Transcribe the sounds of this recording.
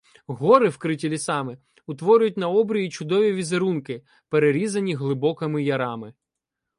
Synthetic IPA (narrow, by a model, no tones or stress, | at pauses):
ɦɔɾɪwkɾɪtʲilʲisɑmɪ | ʊt̪ʋɔɾʲʊjʊtʲnɐɔbɾʲʊjit͡ʃʊd̪ɔʋʲiʋʲizeɾunkɪ | peɾeɾʲizɐnʲiɦlˠɪbɔkɐmɪjɐɾɑmɪ